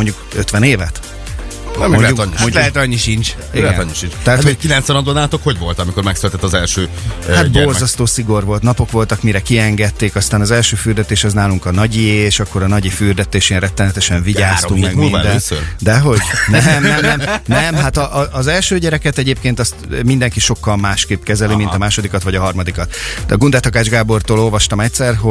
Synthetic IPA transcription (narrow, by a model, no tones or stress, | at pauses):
moɲɟukøt̪ʋɛneːvɛt̪ | mɛɲlɛuɲmolɛɦɛt̪ɒɲːiʃint͡ʃ | iɡ̪ɔɲːiʃint͡ʃt̪ɛɦaːtt̪hokilɛnt̪sɛnɒd̪onaːt̪okho̞ɟvo̞lt̪ɒmikoɾmɛksølt̪ɛt̪ːɒzɛlʃøː | hat̪bo̞rzɒst̪oːsiɡo̞rʋo̞lt̪nɒpo̞kʋo̞lt̪ɒkmiɾɛkiɛŋɡɛt̪ːeːkɒst̪aːnɒzɛlʃøːfyːrd̪ɛt̪eːʃɛznaːluŋkɒnɒɟieʃɒkːo̞ɾɒnɒɟifyːrd̪ɛt̪eːʃeːnrɛt̪ːɛnɛt̪ɛʃɛɱviɟaːst̪uŋkmɛɡinvad̪ɛnnøɾd̪ɛɦo̞ɟnɛmɛmnɛmnɛmɦat̪ɒʔɒʔːzɛlʃøːɟɛɾɛkɛt̪ɛɟeːp̚keːnt̪ɒst̪ːmind̪ɛŋkiʃo̞kːɒlmaːʃkeːpkɛzɛlimint̪ɒmaːʃod̪ikɒt̪ʋɒɟɒɦɒrmɒd̪ikɒt̪ːɡund̪ɛt̪ɒkaːd͡ʒɡaːbo̞rt̪oːlo̞lvɒʃt̪ɒmɛctsɛrɦo